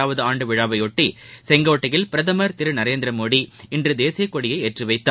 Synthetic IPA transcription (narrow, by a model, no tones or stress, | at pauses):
aːʋɐðɯaːɳɖɯʋɪɻaːʋɐɪɔʈːisɛŋɡoːʈːɐjɪlpɪɾɐðɐmɐɾt̪ɪɾɯnɐɾeːnd̪ɪɾɐmoːɽiɪndrɯd̪eːsijɐkːɔɽɪjɐɪeːʈrɯʋɐɪt̪ːaː